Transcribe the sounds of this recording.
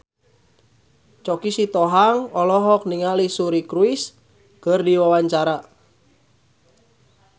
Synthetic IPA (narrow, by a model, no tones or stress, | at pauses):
t͡ʃɔkisit̪ɔɦaŋɔlɔɦɔk̚niŋalisuɾikɾuɪs | kərdiwawaɲt͡ʃaɾa